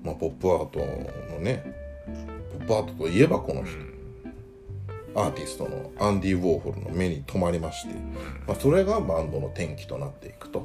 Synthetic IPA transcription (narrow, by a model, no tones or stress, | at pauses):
maːpo̞pːɯaːt̪o̰no̞ne̞ | po̞pːɯ̟aːt̪o̥t̪o̞ie̞bako̞no̞̰çi̥t̪o | aːt̪ʲisɨ̥t̪o̞̰no̞̰ãnd̪ʲiːβo̞ːɸɯɾɯ̟no̞̰me̞ɲ̟it̪ʰo̞maɾʲimaɕi̥t̪e̞̰maso̞ɾe̞ɡabãnd̪o̞no̞t̪ẽ̞ŋkʲi̥t̪onat̪ːe̞ikɯ̟̥t̪o̞